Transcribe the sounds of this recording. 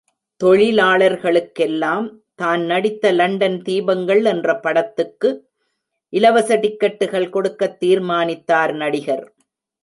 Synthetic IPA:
t̪ɔɻɪlaːɭɐɾɣɐɭɯkːɛlːaːm | t̪aːnnɐɽɪt̪ːɐlɐɳɖɐnt̪iːbɐŋɡɐɭɛndrɐpɐɽɐt̪ːɯkːɯ | ʔɪlɐʋɐsɐɽɪkːɐʈːɯɣɐɭkɔɽɯkːɐt̪ːiːɾmaːnɪt̪ːaːɾnɐɽɪɣɐɾ

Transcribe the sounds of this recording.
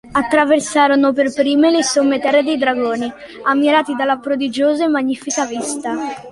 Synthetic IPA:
at̪ːɾaversaːɾonoperpɾiːmelesomːet̪ɛrːed̪ejd̪ɾaɡoːni | amːiɾaːt̪id̪alːapɾod̪id͡ʒoːzamaɲːiːfikavist̪a

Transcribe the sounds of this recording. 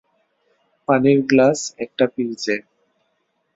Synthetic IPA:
paniɾɡlasɛk̚ʈapiɾd͡ʑe

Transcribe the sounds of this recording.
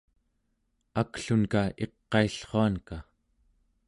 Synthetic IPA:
akɬunkae̞qːɑiɬχoanka

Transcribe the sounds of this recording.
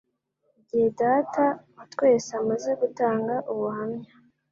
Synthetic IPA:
iɟihedaːtautwe̞ːsamaze̞ɡutaːŋɡaʔuβuhamɲa

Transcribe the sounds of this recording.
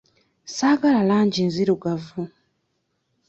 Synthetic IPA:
saɡalalaːɲɟinziɾuɡavu

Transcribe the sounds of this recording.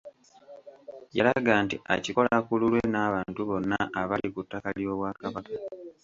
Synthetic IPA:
jalaɡaːntia̰ciko̞lakululwenaːβaːntuβo̞nːaʔaβalikutːakaljo̞ːβwaːkaβaka

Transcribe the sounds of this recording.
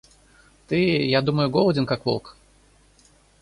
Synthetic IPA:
t̪ɨjad̪uməjʊɡɔlˠədʲɪnkakvɔ̰lˠk

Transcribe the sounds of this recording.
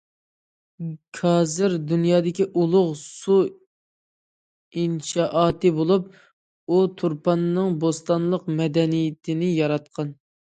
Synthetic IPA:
kʰɑːzɪɾd̪unjɑːd̪ɪkʲiʔulˠʊʁsu | inʃɑʔɑːt̪ɨbolˠup̚ | ut̪ʰuɾpɑnːɨŋbost̪ɑnlˠəqmɛd̪ɛnijɪt̪ʰɪnɪjɑɾɑt̪̚qʰɑn

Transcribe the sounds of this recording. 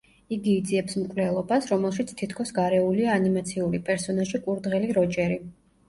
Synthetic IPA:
iɡiːd̪ziɛpsmkʼvlɛlˠɔbasɾɔmɛlˠʃit̪sʰt̪ʰit̪ʰkʰɔsɡaɾɛuliaːnimat̪sʰiuɾipʼɛɾsɔnaʒikʼuɾd̪ʁɛliɾɔt͡ʃʼɛɾi

